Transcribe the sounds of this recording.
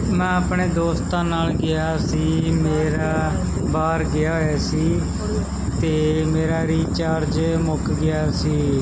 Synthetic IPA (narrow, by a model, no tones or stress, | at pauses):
mɛ̃ːəpɳeːd̪oːst̪ãːnaːlɡɪaːsiːmeːɾaː | baːɾɡɪjaːɦoːjaːsiː | t̪eːmeːɾaːɾiːt͡ʃaːɾd͡ʒmʊkɡɪjaːsiː